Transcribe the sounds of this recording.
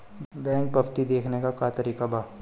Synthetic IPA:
bɛ̃ːŋk̚pɐbt̪id̪eːkʰnekakaːt̪əɾiːkabaː

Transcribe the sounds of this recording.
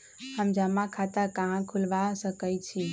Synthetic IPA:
həmd͡ʒəmːakʰat̪əɾkaɦãkʰulʋasəkəjt͡ʃʰi

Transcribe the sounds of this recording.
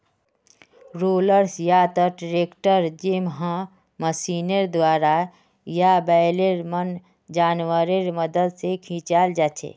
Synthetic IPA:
ɾoːləɾsjat̪əʈɾeːkʈəɾd͡ʒemɦã | məsiːnəɾd̪waːɾa | jabɛjleɾmən | d͡ʒaːnwəɾeɾməd̪əd̪sekʰĩːt͡ʃaːld͡ʒaːt͡ʃʰḛː

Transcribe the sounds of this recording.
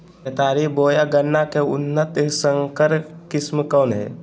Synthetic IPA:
et̪aːɾiboːjaɡənːakeʊ̰nːət̪səŋkəɾkɪsmkəːnɦɛ̰

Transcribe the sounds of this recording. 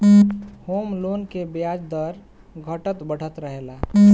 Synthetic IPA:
homlonkebjad͡ʒd̪əɾ | ɡʱəʈət̪bəɽ̤ət̪ɾəɦela

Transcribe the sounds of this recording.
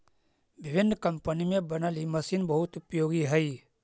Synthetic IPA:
ʋɪʋɪnːkɐmpənimẽbənaːlimɐsiːnbɐɦʊt̪ʊpjoːɡiɦəi

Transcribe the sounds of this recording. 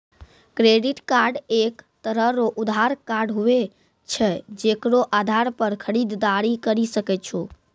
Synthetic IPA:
kɾeɖiʈkaɾɖekt̪əɾəɦɾoʔud̪aɾkaɾɖɦue | t͡ʃʰɛd͡ʒekɾoʔad̪ʱaɾpəɾkʰəɾid̪ːaɾikəɾisəkɛt͡ʃʰu

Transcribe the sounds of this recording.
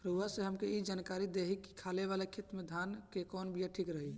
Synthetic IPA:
pɾəuasẽɦəmkeid͡ʒankaɾid̪eɦiki̥kʰaleβalekʰit̪med̪ʱankekɔnbʱijaʈʰikɾəɦi

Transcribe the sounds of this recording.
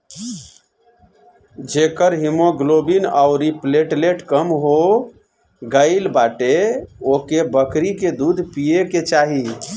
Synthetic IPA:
d͡ʒekəɾɦimoɡlobinaʊɾipleʈleʈkəmɦo | ɡəɪlbaʈeokebəkɾiked̪ud̪ʱpijeket͡ʃaɦi

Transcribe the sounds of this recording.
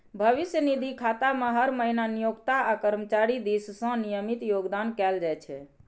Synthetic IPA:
bʱəʋisjənid̪ʱikʰat̪ameɦəɾməɦinanijoɡt̪aakəɾmət͡ʃaɾid̪issə̃nijəmit̪joɡd̪ankɛld͡ʒajt͡ʃʰɛ̰

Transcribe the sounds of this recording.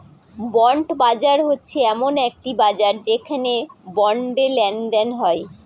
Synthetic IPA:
bɔɳʈbad͡ʑaɾɦotːɕʰeɛmonek̚ʈibad͡ʑaɾd͡ʑekʰanebɔɳɖelɛnd̪ɛnɦɔe

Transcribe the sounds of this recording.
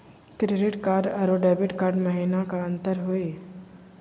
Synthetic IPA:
kɾeːɖɪʈkaːɖɐɾoɖɛːbɪʈkaːɾɖmɐɦinakaɐ̃nt̪əɾɦoeː

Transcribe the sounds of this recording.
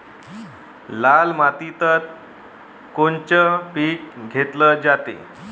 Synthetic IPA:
lalmat̪it̪əɾ | kont͡ɕəpiːk̚ɡʱet̪ləd͡ʑat̪ḛ

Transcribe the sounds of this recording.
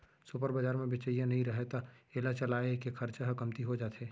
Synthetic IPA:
sʊpəɾbəd͡ʒaːɾmẽbɪt͡ʃəijanɐɦĩɾɐɦet̪aeːlat͡ʃɐlaːekexʰɐɾt͡ʃaɦəkɐmt̪iɦod͡ʒaːt̪eː

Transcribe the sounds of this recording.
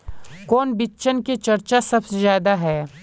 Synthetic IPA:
kɔːnbɪt͡ʃənket͡ʃɐɾt͡ʃasɐbsezjaːd̪aɦɛː

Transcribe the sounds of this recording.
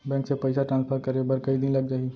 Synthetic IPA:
bɛ̃ːksepɐɪsaʈɾãːnspʰəɾkɐɾebəɾkɐid̪ɪnlɐɡ̚d͡ʒaːi

